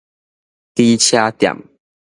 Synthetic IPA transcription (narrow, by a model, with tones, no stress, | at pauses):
t̪i˦t͡ɕʰja˦t̪ja̰˨˩m